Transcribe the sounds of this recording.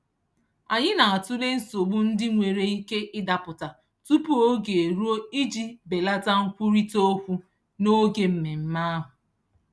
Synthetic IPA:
a˨ɲɪ˦na˨a˨tʊ˦le˦n̩˦so˨bu˦n̩˦dɪ˦ŋʷe˨ɾe˨i˦ke˦ʔɪ˦da˨pʊ˨ta˨ | tu˦pu˦o˦ɡe˨e˨ɾu˦o˦i˦d͡ʒi˦be˨la˦ta˦ŋ̩˦kʷu˦ɾi˦to˦kʷu˦ | no˦ɡe˨m̩˨me˨m̩˦ma˦a˦ɦʊ˨

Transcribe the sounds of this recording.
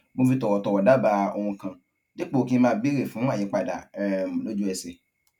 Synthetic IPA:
mo˧fi˧tɔ˨wɔ˨tɔ˨wɔ˨da˨˦˨ba˧o˧hũ˧kã˧ | d͡ʒe˦k͡po˦o˨˧kĩ˦mãː˦˧˦bi˦ɾe˦˨fũ˨˦a˦˨i˨˦k͡pa˨da˨mũ˨lo˦d͡ʒu˦ɛ˧˨se˧

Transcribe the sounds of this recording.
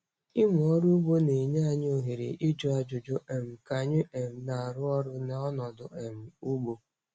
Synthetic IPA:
ɪ˦mʊ˨ɔ˦ɾu˦u˦ɡ͡bo˦ne˨ɲe˦a˨ɲ˦o˨ɦi˨ɾḛ˨ʔi˦d͡ʒo˦a˨d͡ʒʊ˨d͡ʒo˦ʔe˨m̩˨ka˨ɲɪ˦ʔe˨m̩˨na˨ɾʊ˦ɔ˦ɾʊ˦na˨ɔ˦nɔ˨dʊ˨ʔe˨m̩˨u˦ɡ͡bo˦

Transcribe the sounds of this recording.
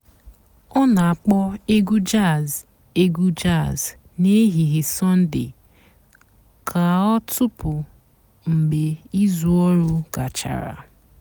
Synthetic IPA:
ɔ˦na˨a˨k͡pɔ˦e˦ɡu˦d͡ʒa˦˨z | e˦ɡu˦d͡ʒa˦˨z | ne˦ɦi˨ɦɪ˨sɔ˦n̩˦dɪ̰˨ | kʰa˨ɔ˦tʊ˦pʊ˨ | ŋ͡m̩˨ɡ͡be˨i˦zu˦ɔ˦ɾʊ˦ɡa˨t͡ʃa̰˨ɾa̰˨

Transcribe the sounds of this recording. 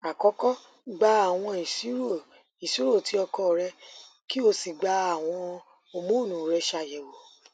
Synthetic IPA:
a˨kɔ˨˦kɔ˦ | ɡ͡ba˧a˨w̃ɔ̃˧i˨si˨˦ɾo˦˨ | i˨si˨˦ɾo˦˨ti˨˦ɔ˧kɔ˧˨ɾɛ˧ | ki˦o˧si˨ɡ͡ba˧a˨w̃ɔ̃˧ | o˧mũ˦˨nũ˨ɾɛ˧ʃa˧˨jɛ˨wo˨

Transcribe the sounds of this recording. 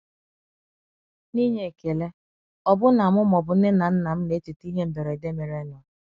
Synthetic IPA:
ni˦ɲe˨ke˨le˦ | ɔ˦bʊ˦na˨mʊ˦mɔ˨bʊ˨n̩˦ɪ˦na˨n̩˦na˨m̩˦ne˨˦tu˨ti˦ɦe˦m̩˨be˨ɾe˨i˨de˦me˨ɾe˦nʊ˨

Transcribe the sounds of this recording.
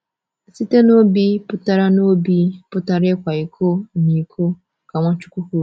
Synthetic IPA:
si˦te˦nʊ̃˦o˦bi˦pʊ˦ta˦ɾa˦nʊ̃˦o˦bi˦pʊ˦ta˦ɾɪ˦kʷa˨i˨kʰo˦˨nĩ˨kʰo˦ | kʰa˨ŋ̃ʷã˦t͡ʃu˦kʷu˦ku˨

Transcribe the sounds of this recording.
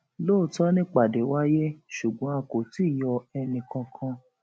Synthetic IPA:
loː˦˨tɔ˦nĩ˦k͡pa˨de˨˦wa˦je˦ʃu˨ɡ͡bɔ̃˨˦a˧ko˨ti˦˨jɔ˧ɛ˧nĩ˨kã˧kʰã˧

